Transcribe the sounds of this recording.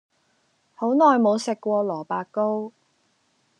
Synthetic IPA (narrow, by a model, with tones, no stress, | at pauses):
ho˨˥wnɔː˨jmo˨˧wsɪ˨kːʷɔː˧lɔː˨˩paː˧kːo˥w